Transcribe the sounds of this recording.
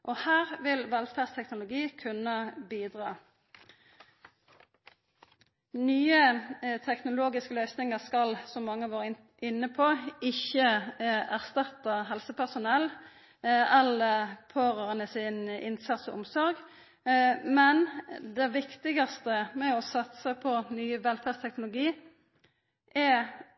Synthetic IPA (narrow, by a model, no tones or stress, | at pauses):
ʔɔhæːʁʋɪlʋɛlfæːʁst̪ʰɛknʊlʊɡiːkʰʉnəbiːd̪ʁɑː | nyːət̪ʰɛknʊloːɡɪskəlœʏsnɪŋəʁskɑlsɔmːɑŋːəɑʋoːʁ | ɪnːəpʰoːɪçəæʁst̪ɑt̪əʁɦɛlsəpʰæʁsʊnɛl | ɛləpʰøːʁɑʁənəsɪnʔɪ̰nsɑt̪sɔ̰ʔʊmsɔʁɡ | mɛnd̪ɛʋɪkt̪ɪɡɑst̪əmɛɔsɑt̪səpʰɔnyːəʋɛlfæʁst̪ʰɛknʊlʊɡiː | ʔæ